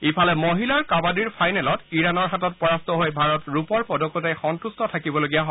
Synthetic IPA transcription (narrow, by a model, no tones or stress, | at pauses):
ipʰalɛmoɦilaɹkabadiɹpʰajnɛlɔtiɹanɔɹɦatɔt̚pɔɹastɔɦojbʱaɹɔtɹupɔɹpɔdokːjotajxɔntustɔtʰakibɔloɡijaɦo